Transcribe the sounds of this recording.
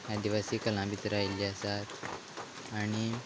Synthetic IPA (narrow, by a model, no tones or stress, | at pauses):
jad̪iʋasiːkəlãbit̪ɾajliasat̪ | aɽ̃i